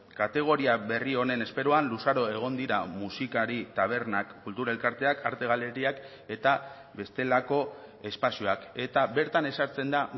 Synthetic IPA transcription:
kat̪e̞ɣ̞o̞ɾiaβe̞rio̞ne̞ne̞spe̞ɾoanlusaɾo̞e̞ɣ̞o̞nd̪iɾamusikaɾit̪aβ̞e̞ɾnakːult̪uɾaelkaɾt̪e̞akaɾt̪e̞ɣ̞ale̞ɾiak | e̞t̪a | be̞st̪e̞lako̞e̞spasioake̞t̪aβe̞ɾt̪ane̞saɾt͡se̞nd̪a

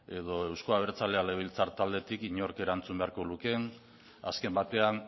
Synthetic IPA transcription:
e̞ðo̞e̞wsko̞aβeɾt͡salealeβ̞ilt͡saɾt̪ald̪e̞t̪ikiɲo̞ɾke̞ɾant͡sumbe̞aɾko̞luke̞n | a̰ske̞mbat̪e̞an

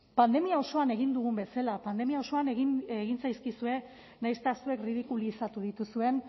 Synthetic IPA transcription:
pand̪e̞miao̞so̞ane̞ɣ̞ind̪uɣ̞umbe̞salapand̪e̞miao̞so̞anɣineɣinsajskisue̞ | najst̪asue̞krið̞ikulisat̪uð̞it̪usue̞n

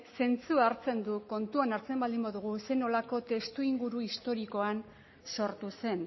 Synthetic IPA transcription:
se̞nt͡suaɾt͡se̞nd̪uko̞nt̪uanaɾt͡se̞mbald̪imboðuɣ̞use̞no̞lako̞t̪e̞st̪uiŋɡuɾuist̪o̞ɾiko̞an | so̞ɾt̪use̞n

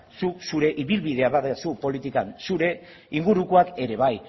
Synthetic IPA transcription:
susuɾe̞ʔiβilβiðe̞aβaðesupo̞lit̪ikansuɾe̞ | iŋɡuɾukoake̞ɾe̞β̞aj

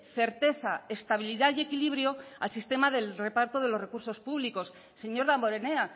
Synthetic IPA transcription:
θe̞ɾt̪e̞θae̞st̪aβiliðaðje̞kiliβ̞ɾjo̞a̰lsist̪e̞maðe̞lre̞paɾt̪oð̞e̞lo̞re̞kuɾso̞spuβliko̞s | se̞ɲo̞ɾðambo̞ɾe̞ne̞a

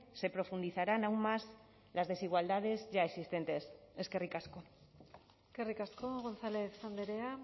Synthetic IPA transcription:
se̞pɾo̞fund̪iθaɾanawnmaz | lazð̞e̞siɣ̞wald̪að̞e̞zʝaeksist̪e̞nt̪e̞seske̞rikasko | skerikaskoɣo̞nθale̞θsand̪eɾea

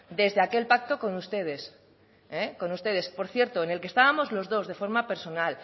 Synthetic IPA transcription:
d̪e̞zðeake̞lpak̚t̪o̞ko̞nust̪e̞ð̞e̞s | eko̞nust̪e̞ðe̞spo̞ɾθje̞ɾt̪oene̞lkest̪aβamo̞zlo̞zðo̞zðe̞fo̞ɾmape̞ɾso̞nal

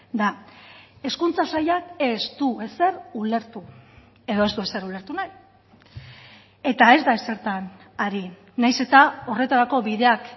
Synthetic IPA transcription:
d̪a | e̞skunt͡sasajake̞zd̪ue̞se̞ɾule̞ɾt̪u | e̞ðo̞e̞zd̪ue̞se̞ɾule̞ɾt̪unaj | e̞t̪ae̞zd̪aese̞ɾt̪an | aɾi | najse̞t̪ao̞re̞t̪aɾako̞βiðe̞ak

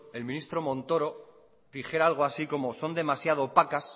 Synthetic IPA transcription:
e̞lmĩnist̪ɾo̞mõ̞nt̪o̞ɾo̞ | ðixje̞ɾaalɣ̞oasiko̞mo̞so̞nd̪e̞masjað̞o̞pakas

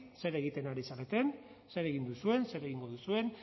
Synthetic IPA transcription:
se̞ɾe̞ɣit̪e̞naɾisalet̪e̞n | se̞ɾe̞ɣind̪usue̞nse̞ɾe̞ɣiŋɡo̞ðusue̞n

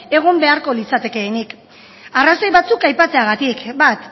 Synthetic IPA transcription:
e̞ɣ̞o̞mbe̞aɾko̞lit͡sat̪e̞ke̞ːnik | araso̞jβat͡sukajpat͡se̞aɣat̪ikbat̪

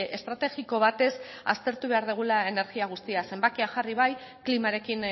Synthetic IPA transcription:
est̪ɾat̪e̞ɣiko̞β̞at̪e̞sa̰st̪e̞ɾt̪uβe̞aɾðuɣ̞ulae̞ne̞ɾɣiaɣ̞ust̪iase̞mbakeaʝariβ̞aj | klimaɾe̞kin

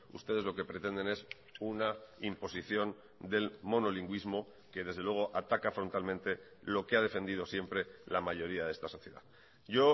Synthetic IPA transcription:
ṵst̪e̞ðe̞zlo̞ke̞pɾe̞t̪e̞nd̪e̞ne̞s | unaimpo̞siθjo̞n | d̪e̞lmo̞no̞liŋɡwizmo̞ | ke̞ðe̞zðe̞lweɣ̞o̞ʔat̪akafɾo̞nt̪almẽnt̪e̞ | lo̞keað̞e̞fe̞nd̪ið̞o̞sje̞mpɾe̞lamaʝo̞ɾiaðe̞st̪aso̞θje̞ða̰ | ʝo̞

